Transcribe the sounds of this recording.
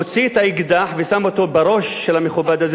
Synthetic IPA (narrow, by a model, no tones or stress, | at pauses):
t͡siet̪aiɡd̪aħvesamot̪o̞baɾo̞ʃːelameχubad̪az